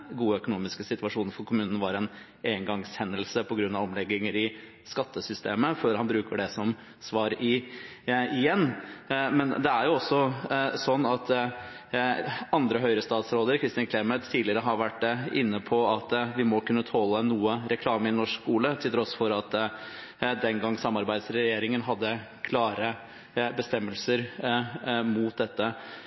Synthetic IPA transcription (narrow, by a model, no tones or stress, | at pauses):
ɡuːəœkʊnuːmɪskəsɪt̪ʉɑʂuːnəɾfɔɾkʰʊmʉːnən̩ʋɑɾɛn | eːəŋɡɑŋshɛnːəlsəpʰɔɡɾʉnːɑʋɔmlɛɡːɪŋəɾɪ | skɑt̪ːəsʏst̪eːməføːɾhɑnbɾʉːkəɖɛsɔm | sʋɑːɾɪ | ɪjɛnːmɛnd̪ɛæɾjʊɔsːɔsɔnːɑt̪ | ɑnd̪ɾəɦœʏɾəst̪ɑːt̪sɾoːd̪əɾkʰɾɪst̪ɪnkʰlɛɾmət̪ʰːiːlɪəɾəɦɑɾʋæʈːɪ̰nːəpʰɔɑt̪ʋɪmɔkʉnːət̪ʰoːlːənuːəɾɛkʰlɑːməɪnɔʂkkuːlət̪ʰɪlt̪ʰɾɔsfɔɾɑt̪ | d̪ɛnɡɑŋːsɑmːɑɾbæɪd̪sɾɛjeːɾɪŋənɦɑd̪ːə | kʰlɑːɾə | bəst̪ɛmːəlsəɾ | muːt̪̚d̪ɛt̪ːə